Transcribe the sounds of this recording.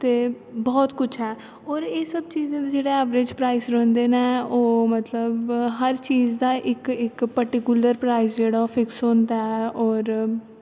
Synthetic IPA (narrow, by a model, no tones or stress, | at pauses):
t̪eː | bɔːt̪kʊt͡ʃʰɛː | ɔːɾeːsəb̚t͡ʃiːzẽːd̪eːd͡ʒeːɽaːɛːʋɾed͡ʒpɾaːisɾɔ̃ːnd̪eːneːoːmət̪ləbɦəɾt͡ʃiːzd̪aːʔɪkɪkpəɾʈɪkʊləɾpɾaːisd͡ʒeːɽaːofʰɪksoːnd̪aɛːɔːɾ